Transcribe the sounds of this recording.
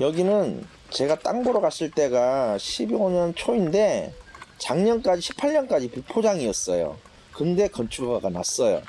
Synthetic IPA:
jʌɡinɯn | t͡ɕe̞ɡat͈aŋboɾʌɡaɕʰiɭt͈e̞ɡaɕʰibioɲʌnt͡ɕʰoinde̞t͡ɕaŋɲʌnk͈ad͡ʑiɕʰi̥pʰaɭɲʌnk͈ad͡ʑipupʰod͡ʑaŋiʌs͈ʌjo̰ | kɯnde̞kʌnt͡ɕʰuɡaɡana̰s͈ʌjo̰

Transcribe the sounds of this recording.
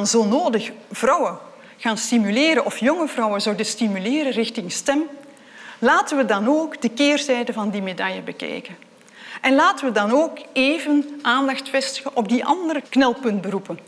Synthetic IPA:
nzolnoːdəxv̥rɑwə | ɣaːnstimyleːɾəʔɔfjɔŋəvrɑwəzɔwdəstimyleːɾərɪxtɪŋstɛm | laːtəʋədɑnoːɡdəkeːrtɛjdəvɑndimedɑjəbəkɛ̰jkən | ʔɛnlaːtəʋədɑnoːkeːvənʔaːndɑxtfɛstəɣəʔɔb̚diʔɑ̰ndəɾəknɛlˠpɵnd̚bəɾupən

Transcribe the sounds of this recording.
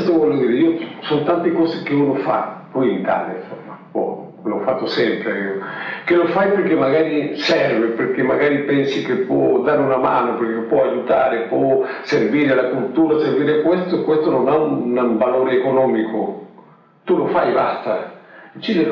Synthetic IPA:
st̪ovɔlːod̪iːɾeiːosont̪ant̪ekɔːzekeuːnofa̰pɔjint̪a̰ːlefapɔ̰ | lɔfːat̪ːosɛmpɾeaiːokelofajperkemːaɡaːɾisɛrveperk̟emːaɡaːɾipɛnsikepːwɔ̰d̪aːɾeunamaːnoperkepːwɔajut̪aːɾepɔ | serviːɾelakult̪uːɾaserviːɾeakwest̪okwest̪ononaunavaloːɾeːkonɔːmikʰo | t̪ulofajbast̪at͡ʃːid̪e

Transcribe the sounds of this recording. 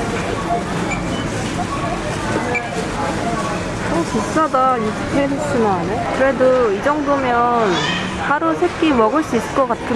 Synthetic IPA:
okis͈ʌdajustʰeɦet͡ɕ͈imanɯkɯɾe̞doid͡ʑʌŋdomjʌn | haɾusʰe̞kk͈imʌɡɯɭs͈uis͈ɯɭkʌk͈at̚kʰɯ

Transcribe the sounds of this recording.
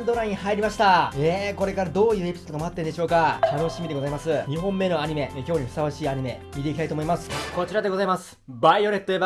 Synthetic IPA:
nd̪o̞ɾãɲ̃ihaiɾʲimaɕi̥t̪aeko̞ɾe̞kaɾad̪o̞ːjɯ̟ːe̞pʲi̥sod̪ɡ̪omaat̪ːe̞nd̪e̞ɕo̞ːkat̪ano̞ɕimʲid̪eɡo̞zaimasɨɲ̟iɦõ̞mːe̞no̞aɲ̟ime̞kʲo̞ːɲ̟iɸɯ̥saβaɕiːaɲ̟ime̞ | mʲit̪e̞ikʲt̪ait̪omo̞imasɨ̥ko̞t͡ɕiɾad̪e̞ɡo̞zaimasɨ̥ | baio̞ɾet̪ːoeba

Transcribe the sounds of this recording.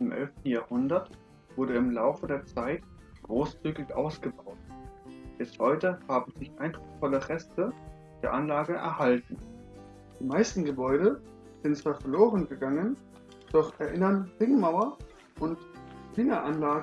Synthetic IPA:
ɪmʔɛ̰lftn̩jaːhʊndɐt | v̥ʊɐɾəɪmlaʊfədeːɐt͡saɪt | ɡ̥ʁoːst͡syːɡɪçʔa̰ʊsɡ̥əbaʊtb̥ɛsthɔʏtəhaːbm̩zɪçʔaɪnd̥ʁʊksfɔləʁɛstə | d̥eːɐʔanlaːɡəʔɛ̰ɐhaltn̩ | d̥iːmaɪstn̩ɡəbɔʏɾə | z̥ɪntt͡sv̥aːɐfɛɐloːʁənɡəɡaŋən | d̥ɔχʔɛɐʔɪnɐnʁɪŋmaʊɐ | ʔʊntklɪŋɐʔanlaːɡ

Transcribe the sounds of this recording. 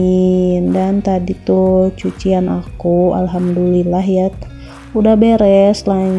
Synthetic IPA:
indant̪adit̪ut͡ʃut͡ʃianʔa̰kua̰lɦamdulilaɦjat̪ | udahbeɾɛslaɲ

